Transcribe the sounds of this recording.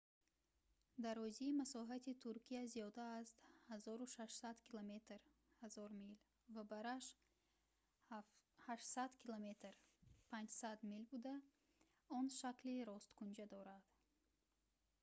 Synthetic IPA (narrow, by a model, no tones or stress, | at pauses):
d̪aɾɔziːmasɔɦat̪ʰit̪ʰuɾkʰiazijɔd̪aːst̪hazɔɾuʃaʃsad̪kʰilome̞t̪ɾ | hazɔɾmil | vabaɾaʃ | haʃsad̪kʰilome̞t̪ɾpʰand͡ʒsad̪milbud̪a | ɔnʃakliɾɔst̪kund͡ʒad̪ɔɾad̪̥